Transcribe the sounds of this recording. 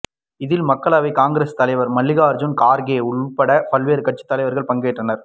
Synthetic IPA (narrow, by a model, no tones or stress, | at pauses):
ɪðɪlmɐkːɐɭaːʋɐɪkaːŋɡɪɾeːst̪ɐlɐɪʋɐɾmɐɭːɪɣaːɾd͡ʒʊnkaːɾɡeːʊɭpɐɽɐpɐlʋeːɾɯkɐʈ̚t͡ʃːɯ̥t̪ːɐlɐɪʋɐɾɣɐɭpɐŋɡeːʈrɐnɐɾ